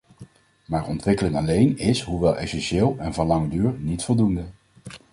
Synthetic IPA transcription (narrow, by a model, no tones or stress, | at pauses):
maːɹɔ̰ntʋɪkəlɪŋɑlejnɪsɦuʋɛlˠʔɛ̰sɛnʃɪːlˠɛnvɑnlɑŋədyːɹnitfɔlˠdundə